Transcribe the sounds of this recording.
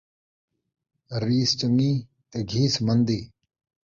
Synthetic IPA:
ɾiːst͡ʃəŋːiː | t̪eɡʱiːsmənd̪iː

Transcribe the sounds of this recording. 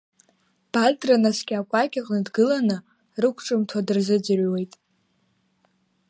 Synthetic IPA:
b̥azdranasɡʲakʷʼakʲʼaqʼnɨdɡɨlanɨ | rɨkʷʰʈ͡ʂʼɨmtʰadɨrzɨd͡zɨrʲwe̞jtʼ

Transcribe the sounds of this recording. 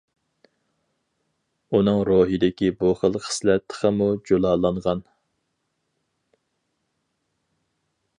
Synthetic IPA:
unɨŋɾoɦid̪ɪkʲibuχəlˠχʰə̥slɛt̪ʰːə̥χʰəmud͡ʒolˠɑːlˠɑɴʁɑn

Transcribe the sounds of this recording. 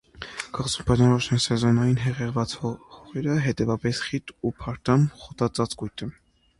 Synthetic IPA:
kɑʁt͡sumpɑʒɑɔʃnɛnsɛzɑnɑjinɦɛʁɛʁvɑt͡shɔʁɛɾəɦɛt̪ɛvɑpɛsχit̪upʰɑɾt̪ɑmχɔt̪ɑt͡sɑt͡skujt̪ʰə

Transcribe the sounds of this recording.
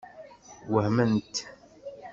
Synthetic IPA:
wəhmənt̪

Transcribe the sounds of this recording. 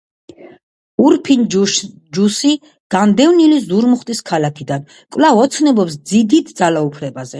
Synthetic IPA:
uɾpʰin | d͡ʒusi | ɡ̥and̪ɛvnilizuɾmuχt̪ʼiskʰalakʰid̪an | kʼvlavɔt̪sʰnɛbɔpsd̪zid̪it̪ʰd̪zalaupʰɾɛbazɛ

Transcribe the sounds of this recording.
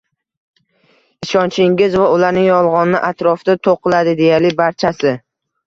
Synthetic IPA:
ɪʃɒnt͡ʃʰɪŋɡʲɪzvaʊlaɾnɪŋjɒlˠʁɒnnɪʔat̪ɾɒfd̪at̪ʰoqʰɨlad̪ɪd̪e̞jalɪbaɾt͡ʃʰasɪ

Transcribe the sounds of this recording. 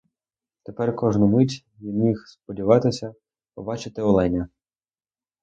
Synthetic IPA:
t̪epɛrkɔʒnʊmɪtʲ | jimʲixspɔdʲiʋɑt̪ɪsʲɐ | pɔbɑt͡ʃɪt̪ɪɔlˠɛnʲɐ

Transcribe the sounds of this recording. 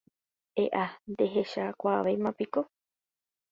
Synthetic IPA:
eʔand̪eɦeʃakʷaʋejmãpiko

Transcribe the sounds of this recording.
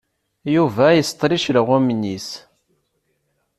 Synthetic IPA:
juvæjəst̪ˤɾiʃləʁæmnis

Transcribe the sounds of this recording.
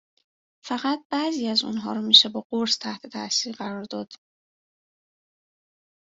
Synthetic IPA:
fæɣæt̪̚bæziːæzṵnɦɒ̰ːɾɔmiːʃebɒːɢoɾst̪ʰæht̪ʰe̞t̪ʰæʔsiːɾɢæɾɒːɾd̪ɒːd̪̥

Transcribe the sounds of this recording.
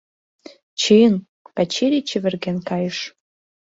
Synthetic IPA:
t͡ɕiən | pæt͡ɕeɾʲit͡ɕɘ̆βɘ̆rɣenkɑjə̆ʃ

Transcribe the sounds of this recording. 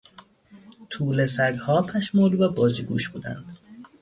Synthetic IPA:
t̪ʰuːlesæɡhɒːpʰæʃmuːlvæbɒːziːɡṵːʃb̥uːd̪æ̰nd̪̥

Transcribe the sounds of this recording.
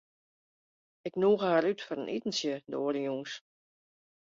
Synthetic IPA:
ɪknuːɣəhaːɾytfɔɾənʔḭtən̩sjədoːədəjuŋs

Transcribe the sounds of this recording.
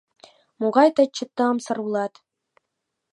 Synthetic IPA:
muʁɑjt̪ɤ̆t͡ɕɤ̆t̪ːɤ̆ɤ̆msɤ̆rulˠɑt̪

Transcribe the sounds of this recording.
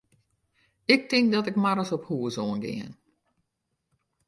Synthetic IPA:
ɪk̚tɪŋk̚dɔtɪkmaɾəsɔphuəsoːənɡɪ̰ən

